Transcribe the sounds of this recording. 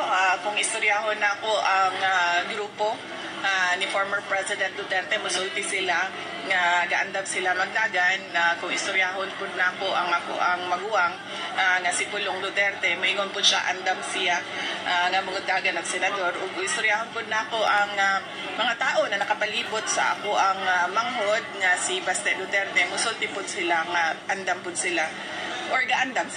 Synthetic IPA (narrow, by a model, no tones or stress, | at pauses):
akʊŋʔɪst̪ʊɾjaɦonːɐɐko̞ʔɐŋaɡɾuːpo̞ | ʔanɪfoɹmɛɹpɹɛsɪd̪ɛnt̪̚lʊt̪ɛɾt̪ɛmɐsʊlt̪ɪsɪla | ŋɐɡaʔɐnd̪amsɪlamɐɡ̚d̪aːɡanakʊŋɪst̪ʊɾjaɦonpʊd̪̚nɐʔɐko̞ʔɐŋʔɐko̰ʔɐŋmɐɡuːʔaŋ | ʔaŋɐsɪpʊloŋd̪lʊt̪ɛɾt̪ɛmɐiŋonpʊd̪ʃa̰ʔɐnd̪amsɪlaʔaŋɐmʊŋʊd̪aːɡɐnɐŋsɛnɐd̪o̞ɾʔʊɡʊɪst̪ʊɾjahonpʊd̪̚nɐʔɐko̞ʔɐŋa | mɐŋat̪aːʔo̞nɐnɐkɐpɐliːbʊt̪̚sɐ̰ʔɐ̰koʔɐŋamɐŋhod̪̚ŋɐsɪbast̪ɛʔd̪ʊt̪ɛɾt̪ɛmʊsʊnt̪ɪpʊd̪̚sɪlaŋaʔɐnd̪ampʊd̪̚sɪla | ʔoɹɡaʔand̪am